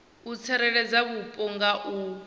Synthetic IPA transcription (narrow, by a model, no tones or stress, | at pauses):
ut͡sʰɛɾɛɺɛd͡zaβupʼɔŋɡaʔu